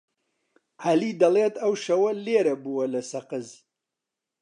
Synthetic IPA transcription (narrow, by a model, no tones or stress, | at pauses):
ʕalid̪ɐleːt̪ɐwʃɐwɐleːɾɐbuwɐlɐsɐqɨz